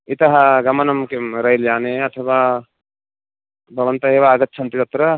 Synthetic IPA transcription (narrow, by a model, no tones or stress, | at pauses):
it̪ɐɦaɡɐmɐnɐmkemɾɐɦild͡ʒaːneɐt̪ʰəʋa | bʱɐʋɐnt̪ɐɦeʋaːɡɐt̪̚ːt͡ʃʰɐnt̪it̪ɐt̪ɾɐ